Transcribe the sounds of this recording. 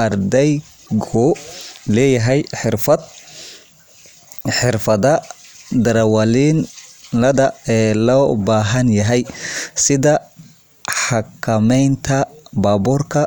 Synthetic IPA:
ɐrd̪ɛj | ɡɔːlɛːjɐɦɛjħɪrfɐd̪ | ħɪrfɐðɐd̪ɐɾɐwɐlinlɐðɐɛːlɔːbaːɦɐnjɐɦɛjsɪðɐ | ħɑkʰɐmɛjnt̪ʰɐbaːbuːrkʰɐ

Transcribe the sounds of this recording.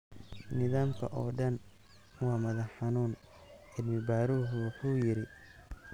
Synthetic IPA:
nɪðaːmkʰɐ̰ʔɔːɖɐn | wɑːmɐðɐħɑnuːn | ɛd̪mɪbaːɾuːɦʊwɑħuːjɪɾɪ

